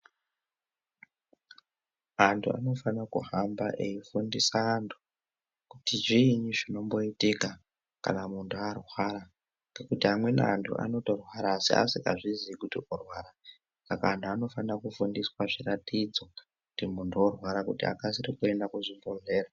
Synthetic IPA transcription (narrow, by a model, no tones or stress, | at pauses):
antʰṵʔa̰no̞fanakṵɦambaʔeifundisaːntʰu̥ | kutiʐiɲuʐino̞mbo̞itika | ka̰namuntʰuarwaɾa | ŋɡekutiɦamwe̞na̰antʰṵʔa̰no̞to̞rwaɾaːsḭʔa̰sika̰ʐizikutiʔorwaːɾa | saka̰ːntʰuano̞fanirakufundiswaʐiratid͡zo̞ | kutimuntʰuorwaɾakutḭa̰kasirikue̞ndakuʐimbonve̞ːɾa